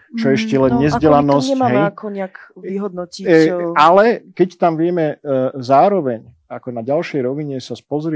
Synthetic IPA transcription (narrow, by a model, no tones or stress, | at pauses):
t͡ʃɔɛʃcɛlɛnɲɛzɟɛlanɔsɛaɦɛjkɔɲɛakiɦɔd̪nɔcialɛkɛct̪amʋɪɛmɛzaːɾɔʋɛɲ | akɔnaɟalʃɛjɾɔʋiɲɛsaspɔzɾɪ